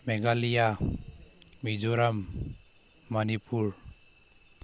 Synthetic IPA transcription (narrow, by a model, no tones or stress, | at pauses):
mɛɡalija | mid͡ʒoɾamː | anipuɹ